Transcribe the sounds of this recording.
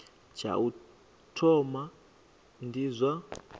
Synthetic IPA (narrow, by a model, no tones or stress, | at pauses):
t͡ʃʰa̰u | tʰɔma | ndizʷa